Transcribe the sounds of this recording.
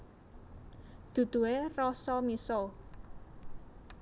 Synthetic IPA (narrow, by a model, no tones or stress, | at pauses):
d̪̥ṳd̪̥ṳwerɔsɔmiso